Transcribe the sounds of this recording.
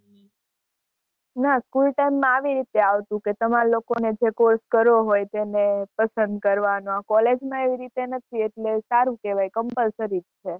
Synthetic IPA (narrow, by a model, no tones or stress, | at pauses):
naskulʈajmːãaʋiɾit̪eaʋt̪ũket̪əmãlokoned͡ʒekoɾskəɾoɦojt̪enepəsənd̪̚kəɾʋanõakɔled͡ʒmãeʋiɾit̪enət̪ʰieʈlesaɾũkeʋajkəmpəlsəɾiɾt͡ʃʰe